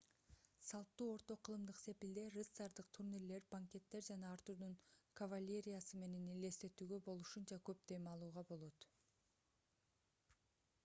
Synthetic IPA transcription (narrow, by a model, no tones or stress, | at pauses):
sɑlˠt̪ːuːo̞ɾt̪o̞qʰɯlˠɯmd̪ɯqse̞pild̪e̞ret̪saɾd̪ɯqt̪ʰuɾniɾle̞ɾbaŋkʲe̞t̪ːe̞ɾd͡ʒɑnɑːɾt̪uɾd̪unkɐvalʲːe̞ɾʲijasɯme̞ne̞nile̞st̪e̞t̪yːɡø̞bo̞lˠuʃunt͡ʃɑkø̞p̚d̪e̞mɑlˠuːʁɑbo̞lˠo̞t̪